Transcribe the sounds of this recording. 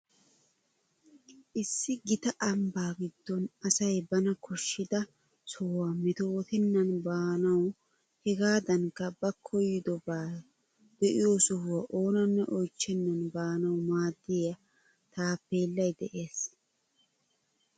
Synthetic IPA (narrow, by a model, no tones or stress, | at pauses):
ʔɪsːɪɡɪt̪ɐʔɐmbaːɡɪd̪ːɔnɐsɐjbɐnɐkɔʃːɪd̪ɐ | sɔwamɛt̪owɔt̪ɪnːɐnbaːnɐw | hɛɡaːd̪ɐŋkːɐbɐkʰːɔjɪd̪ɔbaː | d̪̥ɛʔɪjoːsɔhʊwɐʔo̞ːnɐnːɛʔɔjt͡ʃːɛnːɐnbaːnɐwmaːd̪ːɪjɐ | t̪aːpːeːlːɐjd̪ɛʔe̞ːs